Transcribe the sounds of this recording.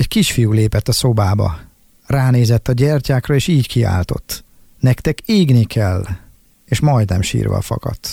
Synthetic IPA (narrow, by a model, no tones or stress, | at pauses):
ɛckiʃfijuːleːpɛt̪ːɒso̞baːbɒ̰ | raːneːzɛt̪ːɒɟɛrcaːkrɒeːʃiːckia̰ːlt̪o̞̰t̪ː | nɛkt̪ɛkeːɡnikʰɛlː | eːʃmɒjd̪nɛmʃḭːrvɒ̰ːfɒ̰kɒ̰t̪